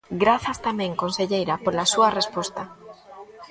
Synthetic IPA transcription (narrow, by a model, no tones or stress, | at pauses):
ɡɾaθast̪amjẽ̞ŋko̞nse̞ʎejɾapo̞ɾlasuare̞spwe̞st̪a